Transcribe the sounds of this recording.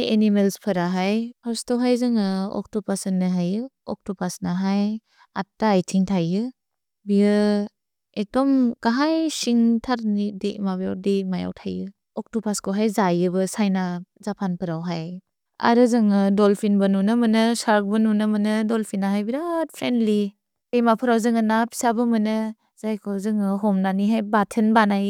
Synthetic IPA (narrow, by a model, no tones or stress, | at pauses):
jenimelspʰɐɾaɦajastawɦajzɯŋɯɔ̰k̚tupasɯnːɯɦajɯ | ɔ̰k̚tupasnaɦaj | a̰tːaːjtʰiŋtʰajɯ | bijɯ | etɔmɡaɦajsiŋtʰaɾnidimabja̰wdimaja̰wtʰajɯ | ɔk̚tɔpʰaskɔɦajzajɯbɯsajnazapʰanpʰɯɾawɦaj | a̰ɾɯzɯŋɯdɔlpʰinbɯnunɯmɯnɯsaɾk̚bɯnunɯmɯnɯdɔlpʰinaɦajbiɾat̚pʰɾendli | ejmapʰɯɾawzɯŋɯnapʰi̥sabɯmɯnɯ | z̥ajkʰɔzɯŋɯɦɔmnaniɦajbatʰɯnbanaj